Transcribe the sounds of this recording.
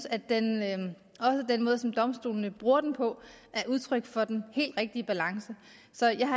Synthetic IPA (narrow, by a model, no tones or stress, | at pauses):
sæd̥en | ɒ̽səd̥enmɔ̽ːð̞ˠsɒ̽md̥ɒ̽msd̥o̝̰ːlnəb̥ʁuːɐd̥enpʰɒ̽ | ʔæɐʔuð̞ˠt͡sʰʁœɡ̥fɒ̽d̥enhe̝̰ːld̥ʁɛɡ̥̚d̥iəb̥ælɑ̈ŋsə | sɒ̽jɑ̈ɪɦɑ